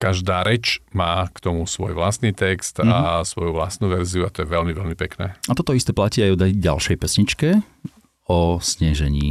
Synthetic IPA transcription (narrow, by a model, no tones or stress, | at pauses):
kaʒd̪aːɾɛt͡ʃmaːkt̪ɔmusʋɔ̰jʋlast̪niːt̪ɛkst̪asʋɔjuʋlast̪nuːʋɛɾziuat̪ɔjɛʋɛlmivɛlmipɛknɛːat̪ɔt̪ɔist̪ɛːplaciːajɔd̪aɟa̰lʃɛjpɛsɲit͡ʃkɛ | ɔsɲɛʒɛɲḭː